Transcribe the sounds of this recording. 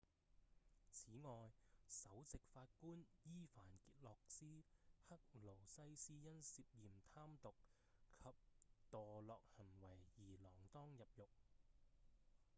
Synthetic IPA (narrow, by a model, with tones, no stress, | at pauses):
t͡sʰiː˨˥ŋɔː˨jsɐ˨˥wt͡sɪ˨k̚faː˧t̚kuː˥njiː˥faː˨˩nkiː˧t̚lɔː˨k̚siː˥hɐ˥k̚lo˨˩wsɐ˥jsiː˥jɐ˥nsiː˧p̚jiː˨mt̪ʰaː˥mt̪ʊ˨k̚ | kʰɐ˨p̚t̪ɔː˨lɔː˨˧k̚hɐ˨˩nwɐ˨˩jːiː˨˩lɔː˨˩ŋt̪ɔː˥ŋjɐ˨p̚jʊ˨k̚